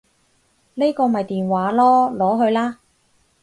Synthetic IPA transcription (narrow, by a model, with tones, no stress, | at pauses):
le˥kɔː˧mɐ˨jt̪iː˨˩nwaː˨˥lɔː˥lɔː˨˥ɦɵ˧ɥlaː˥